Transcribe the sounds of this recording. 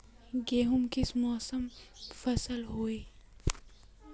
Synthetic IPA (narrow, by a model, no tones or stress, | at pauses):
ɡeːɦʊmkɪsmɔːsəmfɐsəlɦoːeː